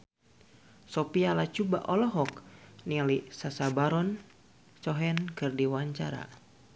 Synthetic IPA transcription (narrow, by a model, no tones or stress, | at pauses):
sɔpialat͡ʃuba̰ʔɔlɔɦɔknilisasabaɾɔn | t͡ʃɔɦɛnkɨrdiwaɲt͡ʃaɾa̰